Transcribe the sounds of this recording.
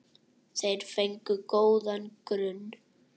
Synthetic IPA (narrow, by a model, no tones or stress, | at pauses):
θejɾ̥fejŋkʏkoːwðankɾʏnː